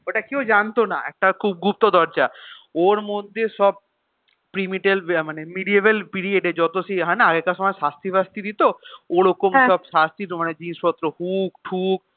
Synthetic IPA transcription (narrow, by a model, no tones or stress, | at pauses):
oʈakewd͡ʑant̪ona̰ɛ̰k̚ʈakʰub̚ɡup̚t̪od̪ʱɔɾt͡ɕaoɾmod̪ʱeʃɔb̚ | pɾimiʈelmanemiɖieβelpiɾieɖed͡ʑɔt̪osiɦɔjnaaɡekaʃɔmaeʃast̪ʰibʱast̪ʰid̪it̪ooɾokomsɔbsast̪ʰiɾmaned͡ʑinspɔt̪ːɾohukʈʰuk